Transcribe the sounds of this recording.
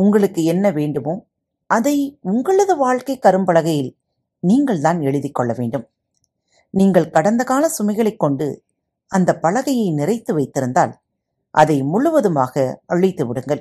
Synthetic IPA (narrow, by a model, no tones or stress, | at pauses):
ʊŋɡɐɭɯkːɯɛnːɐʋeːɳɖɯmoː | ʔɐðɐɪʊŋɡɐɭɐðɐʋaːɻkɐɪkːɐɾɯmbɐɭɐɣɐjɪl | niːŋɡɐɭt̪aːnɛɻɯðɪkːɔɭːɐʋeːɳɖɯm | niːŋɡɐɭkɐɽɐnd̪ɐɣaːnɐsʊmɐɪɣɐɭɐɪkːɔɳɖɯ̰ | ɐnd̪ɐpːɐlɐɣɐjɐɪnɪrɐɪt̪ːɯʋɐɪt̪ːɪɾɯnd̪a̰ːl | ʔɐ̰ðɐɪmʊɭʊʋɐðɯmaːɣɐɐɻɪt̪ːɯʋɪɽɯŋɡɐɭ